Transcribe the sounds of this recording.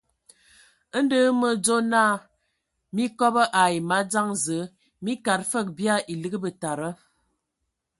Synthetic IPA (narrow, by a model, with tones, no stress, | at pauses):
ə˦n̩˦də˦mə˨d͡zo˦naː˦˨ | mi˦kɔ˦bə˦ʔa˨i˨ma˨˦d͡za˦ŋzə˨˦ | mi˦ka˨tfə˦˨k̚bja˦˨ʔi˨lɨ˦ɡə˦bə˨ta˨ɾə˦